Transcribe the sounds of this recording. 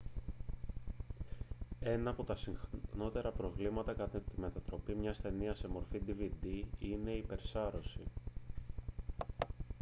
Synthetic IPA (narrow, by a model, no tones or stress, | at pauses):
e̞nɐːpo̞t̪ɐsiŋxno̞t̪e̞ɾɐpɾo̞vlimɐt̪ɐkɐt̪et̪ime̞t̪ɐt̪ɾo̞pimɲɐst̪e̞niɐse̞mo̞ɾfid̪ivid̪iine̞ipe̞ɾsɐɾo̞sḭ